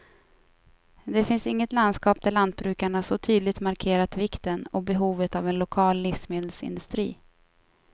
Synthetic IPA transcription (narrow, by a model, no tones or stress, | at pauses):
d̪ɛfɪnsɪŋːət̪land̪skɑːp̚d̪ʰɪland̪̚bɾʉ̟ːkaɳasɔt̪ʰyːd̪lɪt̪maɾkʰeːɾat̪vɪkt̪ənɔbɛɦuːvət̪avɛnlʊkʰɑːlːifsmeːd̪ɛlsɪ̰nd̪ɵst̪ɾḭː